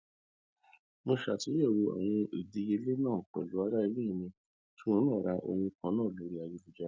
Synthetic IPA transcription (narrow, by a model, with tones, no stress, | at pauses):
mo˧ʃa˨ti˨˦jɛ˦˨wo˧ɛ̰˨j̃ĩ˧i˨di˨˧˦je˧˦le˦nãː˦˨k͡pɛ̰˨lu˨˦a˧˦ɾa˦i˧lĩ˦˨˧mĩ˧ | tʰũ˦õ˦nã˦˨ɾa˧ʔo̰˧nĩ˧kã˧nãː˦˨lo˨˦ɾi˦a˧˨ji˨˧˦u˨d͡ʒa˨˦